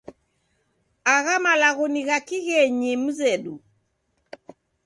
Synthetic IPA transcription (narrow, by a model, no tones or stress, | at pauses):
aɣamalaɣɔniɣakiɣɛɲim̩zɛɗu